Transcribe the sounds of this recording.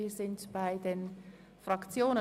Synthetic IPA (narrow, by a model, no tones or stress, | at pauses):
iːzɪntb̥aɪdeːn | fʁ̥akt͡sjoːnə